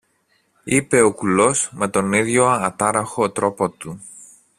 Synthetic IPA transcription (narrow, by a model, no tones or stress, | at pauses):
ipe̞okulo̞sme̞t̪o̞niðʝo̞ɐt̪ɐɾɐxo̞t̪ɾo̞pot̪u